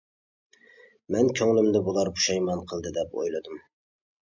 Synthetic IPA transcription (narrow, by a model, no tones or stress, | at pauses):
mɛnkʲʰøŋlɪmd̪ɪbolˠɑɾbu̥ʃɑjmɑnqʰəlˠd̪ɨd̪ɛpo̰jlˠɨd̪ɪm